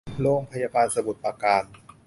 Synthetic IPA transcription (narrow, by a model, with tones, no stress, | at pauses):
loː˧ŋpʰa˧jaː˧baː˧nsa˧bu˨˩t̪̚pa˧kaː˨˩n